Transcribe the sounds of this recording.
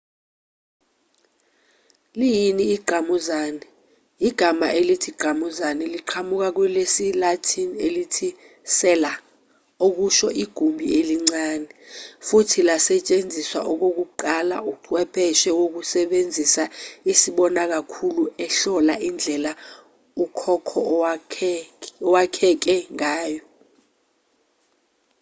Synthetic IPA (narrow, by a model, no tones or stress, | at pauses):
lijiniːɡ͡ǃʱamuzaːnɛ | iɡ̥ʱama̰ʔelitʰiɡ͡ǃʱamuzanɛliǃʰamuk̬ak̬wɛlesilatʰinielitʰi | sɛla | ok̬uʃɔʔiɡ̥ʱumbʱḭeliŋ͡ǀaːnɛfutʰilasɛt͡ʃʼend͡zʱiswa̰ʔɔk̬ok̬uǃala̰uǀʰwɛpʰɛʃɛwok̬usɛɓend͡zʱisaisiɓɔnak̬akʰuluɛɬɔlaʔind͡ɮʱɛla | ukʰɔkʰɔ | ɔwakʰɛk̬ɛŋaːjɔ